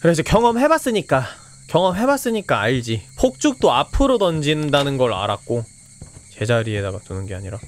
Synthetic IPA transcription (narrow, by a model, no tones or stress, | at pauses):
kɯɾe̞s̬ʰʌkjʌŋʌmɦe̞bas͈ɯɲik͈a | kjʌŋʌmɦe̞bas͈ɯɲik͈aːɭd͡ʑipʰok̚t͡ɕ͈uk̚t͈oapʰɯɾotʌnd͡ʑindanɯnɡʌɭa̰ɾa̰k̚k͈o | t͡ɕe̞d͡ʑaɾiedaɡatunɯnɡea̰ɲiɾa